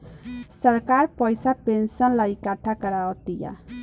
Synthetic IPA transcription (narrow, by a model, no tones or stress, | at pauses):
səɾkaɾpəjsapensənlaikaʈʰakəɾaɔt̪ija̰